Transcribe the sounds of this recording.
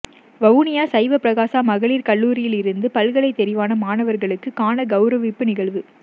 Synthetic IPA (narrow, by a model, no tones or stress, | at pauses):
ʋɐʋʊnɪjaːsɐɪʋɐpːɾɐɣaːsaːmɐɣɐɭiːɾkɐɭːuːɾɪjɪlɪɾɯnd̪ɯpɐlɣɐɭɐɪt̪ːɛɾɪʋaːnɐmaːnɐʋɐɾɣɐɭɯkːɯkaːnɐɡɐʊɾɐʋɪpːɯnɪɣɐɭʋɯ